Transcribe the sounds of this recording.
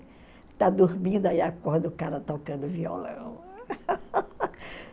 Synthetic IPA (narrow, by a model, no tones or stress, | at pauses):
t̪ad̪uɾmĩd̪aiakɔhd̪ʊkaɾɐt̪okɐ̃d̪ʊviɔ̰lɐ̰̃w̃